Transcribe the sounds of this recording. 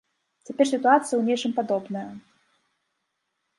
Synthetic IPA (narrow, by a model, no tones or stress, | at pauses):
t͡sʲapʲɛrsʲit̪uat̪sɨjɐwnʲɛt͡ʂɨmpad̪ɔbnɐjɐ